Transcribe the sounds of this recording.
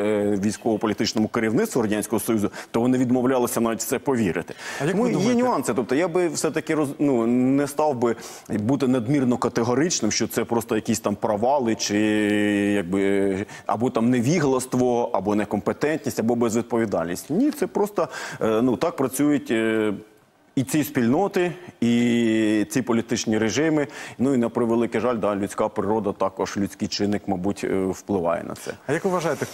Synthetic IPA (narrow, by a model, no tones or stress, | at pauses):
ʋʲijsʲkɔɔpɔlʲit̪ɪt͡ʃnɔmʊkɪɾʲiwnɪt̪ʋʊrɾɐdʲansʲkɔɦɔsɔjuzʊt̪ɔʋɔnɪʋʲid̪mɔwlʲɑlˠɐsʲɐnɑʋʲitʲft̪sɛpɔʋʲiɾɪ̰t̪ɪ̥mjɛnʲʊɑnsɪt̪ɔp̚t̪ɔjabɪwsɛt̪ɐkɪrɔznunɛst̪ɑwbɪ | but̪ɪnɐd̪mʲirnɔkɐt̪eɦɔɾɪt͡ʃnɪmʃt͡ʃɔt̪sɛpɾɔst̪ɔjɐkʲisʲt̪ɑmpɾɐʋɑlˠɪt͡ʃɪ | jɐɡ̚bɪɐ̰bɔt̪ɑmnɛʋʲiɦlˠɐst̪ʋɔʔɐbɔnɛkɔmpet̪ɛnʲt̪ʲnʲisʲtʲɐbɔbɛzʋʲid̪̚pɔʋʲid̪ɑ̰lʲnʲisʲtʲnʲit̪sɛpɾɔst̪ɔnut̪ɑk̚pɾɐt͡sʲujʊtʲ | it͡sʲispʲilʲnɔt̪ɪi | t͡sʲipɔlʲit̪ɪt͡ʃnʲiɾeʒɪmɪnuinɐpɾɪʋelˠɪkɛʒɑlʲd̪ɑlʲʊt͡sʲkɑpɾɪɾɔd̪ɐt̪ɑkɔʒlʲʊt͡sʲkɪjt͡ʃɪnːɪkmɐjbutʲwplˠɪʋɑ̰jɛ̰nɐ̰t̪sɛ̰ɐjɐkʋɪʋɐʒɑjɪt̪ɛ